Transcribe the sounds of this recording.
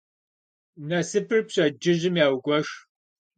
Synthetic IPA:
nɐsɨpʰɨrpɕʼɐd͡ʒɪʑɪmjaːwɡʷɔʃ

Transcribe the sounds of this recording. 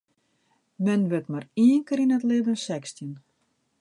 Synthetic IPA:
mɛnʋɪtmariəŋkəɾinətlɪdənsɛkstjən

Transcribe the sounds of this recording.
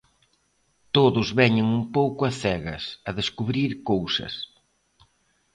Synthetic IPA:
t̪oðʊzβɛɲɪŋumpowkʊɐθɛɣɐ̰sɐðeskuβɾiɾkowsɐ̰s

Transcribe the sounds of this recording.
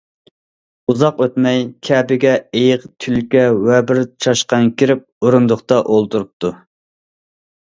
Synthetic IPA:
uzɑqøt̪mɛjkʲʰɛːbɪɡʲɛejɪqt̪ʰylkʲɛwɛbɪɾt͡ʃʰɑʃqɑŋkʲʰiɾɪp̚oɾund̪ʊqt̪ɑʔolˠt̪uɾup̚t̪ʰu

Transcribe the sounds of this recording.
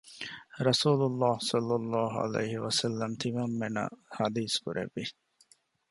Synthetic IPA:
ɾɐsuːlʊlːɑːhsɐlːɐlːɑːɦʊɐ̰lḛjhɪwɐsɐlːɐmt̪ʰimɐmːenɐ̰hɐd̪iːskuɾʔḛʋːi

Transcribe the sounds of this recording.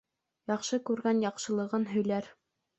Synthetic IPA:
jɑqʃɤkʉɾɡænjɑqʃɤ̆lˠɤ̆ʁɤnɦɵ̆jlæɾ

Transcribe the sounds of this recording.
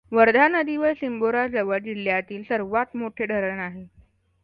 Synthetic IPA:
ʋəɾd̪ʱanəd̪iʋəjsimboɾad͡zəʋəɽd͡ʑil̤jat̪iːlsəɾʋat̪moʈʰeɖʱəɾəɳaɦe

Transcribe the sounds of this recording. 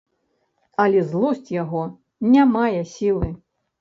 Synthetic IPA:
ɐlʲɛzlˠɔsʲt͡sʲjaɣɔ | nʲamajɛsʲilˠɨ

